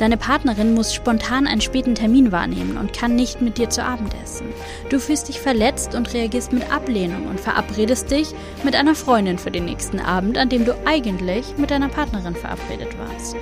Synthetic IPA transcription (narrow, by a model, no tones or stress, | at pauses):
d̥aɪnəpʰaɐtnɐʁɪnmʊsʃpɔntʰaːnʔa̰ɪnənʃpɛːtn̩tʰɛɐmiːnva̰ːɐnḛːmənʊ̰ntkʰanːɪçtmɪt̚d̥iːɐt͡suʔaːbm̩tʔɛ̰sn̩ | d̥uːfyːlstd̥ɪçfɛɐlɛt͡stʊntʁeaɡiːɐstmɪtʔa̰pleːnʊ̰ŋʊ̰ntfɛɐʔa̰pʁ̥eːdəst̚d̥ɪç | mɪtʔaɪnɐfʁ̥ɔʏndɪnfyːɐdeːnːɛ̰ːçstn̩ʔa̰ːbm̩tandeːmduːʔaɪɡəntlɪçmɪt̚d̥aɪnɐpʰaɐtnɐʁɪnfɛɐʔa̰pʁ̥ḛːdətv̥a̰ːɐst